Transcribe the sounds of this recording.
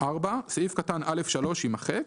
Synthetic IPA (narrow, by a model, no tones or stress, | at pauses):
ʔaʁbasifkatanʔale̞fʃalo̞ʃimaχek